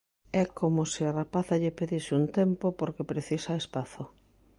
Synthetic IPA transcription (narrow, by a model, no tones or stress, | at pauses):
ɛkomosɪarapaθaʎepeðisɪunt̪empopoɾkepɾeθisaespaθo